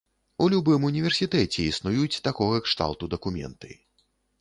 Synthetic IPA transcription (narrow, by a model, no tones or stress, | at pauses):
ulʲubɨmunʲivʲɛrsʲit̪ɛt͡sʲɛisnujut͡sʲt̪akɔɣɐkʂt̪a̰lˠt̪ud̪ɐkumʲɛ̰nt̪ɨ̰j